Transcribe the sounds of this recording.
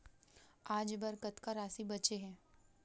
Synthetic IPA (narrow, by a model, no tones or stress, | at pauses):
aːd͡ʒbɐɾkət̪kaɾaːsibɐt͡ʃeɦɛ̃ː